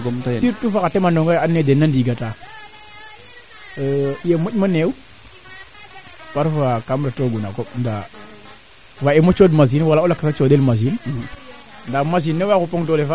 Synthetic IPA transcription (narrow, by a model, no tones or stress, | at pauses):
ɡotsiɾtufakatemandoŋɡajanːedenandiɡata | ijamumanew | paɾfakamɾatoɡuna̰konda̰ | waemot͡ʃodmaz̬inwalaulakasat͡ʃodelmaz̬in | ndamaz̬inːewakupoŋdolefa